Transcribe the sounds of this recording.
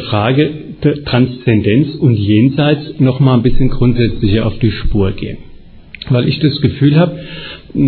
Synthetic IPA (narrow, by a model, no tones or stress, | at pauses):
fʁ̥aːɡə̥ | tʁ̥anst͡sɛndɛnt͡sʊntjeːnzaɪt͡snɔχmaːlnbɪsçənɡʁʊntz̥ɛt͡slɪçɐʔa̰ʊfd̥iːʃpuːɐɡ̥ḛːən | vaɪlʔɪçd̥asɡ̥əfyːlhaːbə